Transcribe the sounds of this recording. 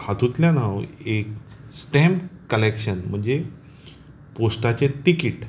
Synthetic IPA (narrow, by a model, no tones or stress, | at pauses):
hat̪ut̪ljanaʋeksʈɛ̃mpkəlekɕənm̤əɳd͡ze | posʈat͡ɕet̪ikiʈ